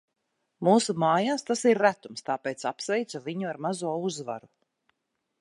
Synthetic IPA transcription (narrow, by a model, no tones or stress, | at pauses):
muːsumaːjaːst̪asiɾːæt̪umst̪aːpeːt̪sapsvɛjt̪saviɲuaɾmazuɔuzva̰ɾu